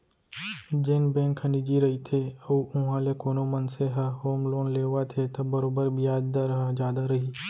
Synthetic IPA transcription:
d͡ʒeːnbẽːŋkʰənid͡ʒiɾɐɦit̪ʰeəuʊɦãlekoːnomɐnseɦɐɦoːmloːnleːʋat̪ʰet̪ɐbɐɾoːbəɾbʱijaːd̪d̪aɾɐɦəd͡ʒjaːd̪aɾɐɦiː

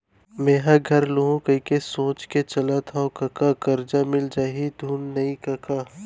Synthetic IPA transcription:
meːɦaɡʱɐɾloɦõkəikesõːt͡ʃket͡ʃɐlat̪ʰaokɐkakɐɾd͡ʒamɪld͡ʒaːɦid̪ʱuːnːɐikɐkaː

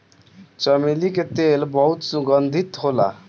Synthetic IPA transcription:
t͡ʃʌmiliket̪elbʌɦut̪suɡʌnd̪ʱit̪ɦola̰

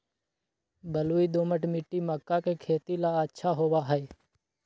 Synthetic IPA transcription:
bəluːiːd̪oːməʈmɪʈːiːməkːaːkeːkʰeːt̪iːlaːətːʃʰaːɦoːʋaːɦɛeː

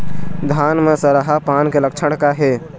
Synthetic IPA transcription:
d̪ʱaːnmesəɾəɦapaːnkeləkt͡ʃʰəɽkaɦe

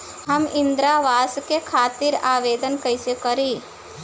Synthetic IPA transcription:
ɦəmɪ̃nd̪ɾaʋaːskekʰaːt̪iɾaːʋeːd̪ənkəjsekəɾi

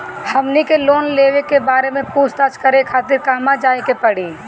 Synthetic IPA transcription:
hɐmnikeloːnleːʋekebaːɾemẽpuːst̪ət͡ʃkəɾekʰaːt̪ɪɾkaːmad͡ʒaːekepɐɽiː

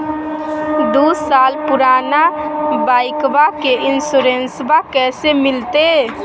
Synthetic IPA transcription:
d̪usalpuɾanabajkbakeʔinsuɾensbakɛsemilt̪e

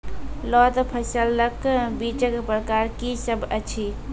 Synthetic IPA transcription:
lɔt̪pʰəsəlːəkbit͡ʃəkpɾəkaɾkisəbʱət͡ʃʰi

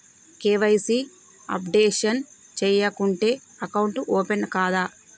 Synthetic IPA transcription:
keːʋɐjsi | ɐ̰pɖeːʂɐn | t͡ʃɛːjɐkuɳʈe̞ː | ɐkɐwuɳʈuʔoːpenkaːd̪aː

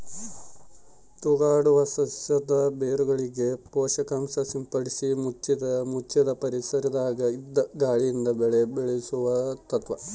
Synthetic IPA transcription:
t̪uɣaːɽuʋɐsɐsjɐd̪ɐbeːɾuɡɐɭiɡe̞poːʂɐkaːmsɐsimpɐɽisimut͡ʃːimut͡ʃːɐd̪ɐpɐɾisɐɾɐd̪aːɡɐid̪ɐɡaːɭijind̪ɐbeɭebeɭesuʋɐt̪ɐt̪ʋɐ

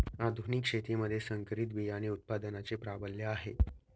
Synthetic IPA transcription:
ad̪ʱuniːkʂet̪iməd̪ʱːjesəŋkəɾit̪̬ʋijaɽ̃iut̪̚pad̪ənat͡sepɾabəljəaɦḛ

